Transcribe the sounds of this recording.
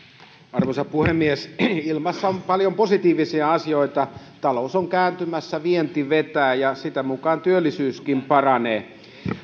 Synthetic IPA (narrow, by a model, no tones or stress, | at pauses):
ɑrʋosɑpuhemːiesilmɑsːɑompɑljomposit̪iːʋisiɑɑsijoit̪ɑ | t̪ɑlousoŋkæːnt̪ymæsːæʋient̪iʋet̪æːjɑsit̪æmukɑːnt̪yølːisyːskimpɑrɑneː